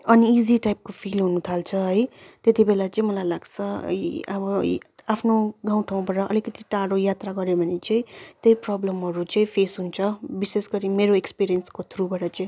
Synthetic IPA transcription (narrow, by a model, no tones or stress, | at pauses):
ʌniːziʈajp̚kopʰilɦunut̪ʰalt͡sʰʌɦʌjt̪et̪ibelat͡sʌĩmʌlajlaɡt͡sʰʌʌ̰ʌbʌapʰnoɡaw̃ʈʰaũbʌʈʌʔʌ̰likʌt̪iʈaɽojat̪ɾaɡʌɾebʱʌnit͡sʌĩt̪ejprʌblʌmɦʌɾut͡sʌĩpʰesɦunt͡sʰʌbisesɡʌɾimeɾoekspiɾijʌnskot̪ʰɾubʌɾʌt͡sʌĩ